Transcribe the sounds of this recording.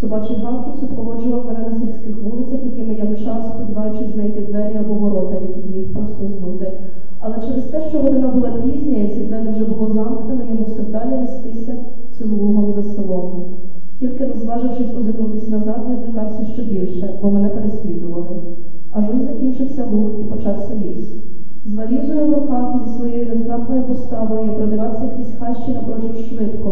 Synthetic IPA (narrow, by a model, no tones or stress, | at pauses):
sɔbɑt͡ʃɪjʲbɑmkʲisʲʊpɾɔʋɔd͡ʒʊʋɐwmenɛnɐzʲiwʲsʲkɪxʋulˠɪt͡sʲɐxjɐkɪmɪjamt͡ʃɑspɔd̪ʲiʋɑjʊt͡ʃɪsʲznɐjt̪ɪd̪ʋɛɾʲiɐbɔʋɔɾɔt̪ɪjɐkʲijjixpɾɔst̪ɔznut̪ɪ | ɐlˠɛt͡ʃɛɾest̪ɛʃt͡ʃɔɦɔd̪ɪnɑbʊlˠɑpʲizʲnʲɐjɛsʲɐd̪ɛnɛwʒɛbʊlˠɔzɑmknenɔjɔɦusʲɔwd̪ɑlʲɐʋest̪ɪsʲɐ | t̪sɪmlˠuɦɔmzɐsɪlˠɔznɪ | tʲilʲkɪnɐzʋɑʒɪwʃɪsʲpɔzɪknut̪ɪsʲnɐzɑt̪nʲɪzɾʲiɦɑwsʲɐʃt͡ʃɔbʲilʲʃɛbɔmenɛpeɾesʲlʲid̪ʊʋɐlˠɪ | ɐʒɔnzɐkʲint͡ʃɪwsʲɐlˠuxipɔt͡ʃɑwsʲɐlʲis | zʋɐlʲiwzɔjɔʋɔpɑt̪izʲisʋɔjejiɾɛznɑxnɔjipɔst̪ɑʋɔjiipɾɔd̪ɪʋɑsʲɐjɐkʲisʲxɑʃt͡ʃɪnɐpɾɔʃuwʃʋɪt̪kɔ